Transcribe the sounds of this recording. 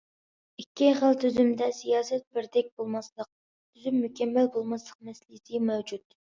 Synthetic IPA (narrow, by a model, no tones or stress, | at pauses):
ikʲʰːiχəlt̪ʰyzymd̪ɛsijɑːsɛt̪̚bɪɾd̪ɛk̚ʲbolˠmɑslˠəq̚ | t̪ʰyzymːykʲɛmːɛlbolˠmɑslˠə̥q̚mɛslisɪmɛwd͡ʒut̪